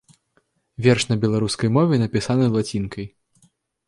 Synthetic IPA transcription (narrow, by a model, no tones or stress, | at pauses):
vʲɛrʂnɐbʲɛlˠaɾuskɐjmɔvʲɛnɐpʲisanɨzlˠat͡sʲinkʰɐj